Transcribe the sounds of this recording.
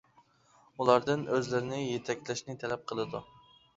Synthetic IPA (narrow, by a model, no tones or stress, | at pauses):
ulˠɑɾd̪ɨnøzlɪɾɪnɪjet̪ʰɛk̚ʲːlɪʃnɪt̪ʰɛlɛp̚qʰəlˠɨd̪u